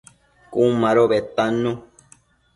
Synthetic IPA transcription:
kumãɾoβet̪anũ

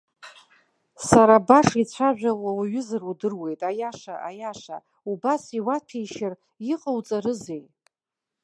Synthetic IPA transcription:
saɾabaʂit͡ɕʷʰaʒᶣʷalawaɥʏzɨrudɨrwe̞jtʼajaʂa̰ʔajaʂa̰ | ubasiwatʰejʃɪr | iqʼəwt͡sʼaɾɨzej

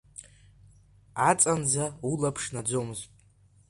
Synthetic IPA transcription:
at͡sʼand͡zaulapʰʂnad͡zo̞mɨztʼ

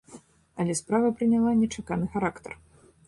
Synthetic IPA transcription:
ɐlʲɛspɾavɐpɾɨnʲalˠanʲɛt͡ʂakanɨxaɾakt̪ɐ̰r

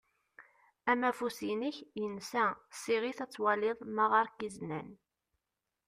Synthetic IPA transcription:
æmæfusinəçjənsæsiʁiθæt͡sːwælɪðˤmaʁɑɾkiznæn

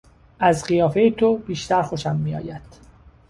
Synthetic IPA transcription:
ʔæzɢijɒːfe̞jet̪ʰob̥iːʃt̪æɾxo̞ʃæmːijɒ̰ːjæd̪̥

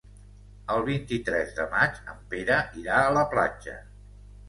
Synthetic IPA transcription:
əlˠβ̞int̪it̪ɾɛzðəmat͡ʃə̰mpeɾəʔiɾaələpla̰d͡ʒə̰

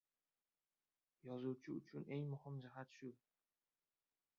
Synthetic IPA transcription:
jɒzuwt͡ʃʰɪʊt͡ʃʰʊnʔe̞ŋmʊhɪmd͡ʒɪɦat̪ʃʊ

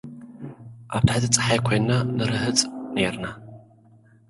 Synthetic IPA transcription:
ʔab̚t̪ʰħazɨt͡sʼɨ̥ħajkʷʰenːanɨɾɨhɨt͡sʼnerna

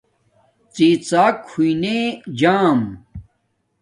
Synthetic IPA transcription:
t͡siːt͡saːkʰːuined͡ʑaːm

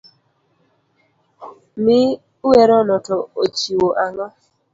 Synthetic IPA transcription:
mɪ | wɛɾɔnɔtɔot͡ʃiwoʔaŋɔ

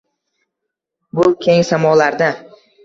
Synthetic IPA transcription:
bʊkʲʰe̞ŋsamɒlaɾd̪a

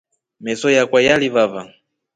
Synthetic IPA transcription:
mɛsɔjakwajalivava

